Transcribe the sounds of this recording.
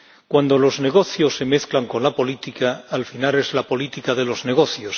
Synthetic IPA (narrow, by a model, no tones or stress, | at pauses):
kwand̪o̞lo̞zne̞ɣ̞o̞θjo̞sːe̞me̞θklaŋko̞nlapo̞lit̪ikaːlfinale̞zlapo̞lit̪ikaðe̞lo̞zne̞ɣ̞o̞θjos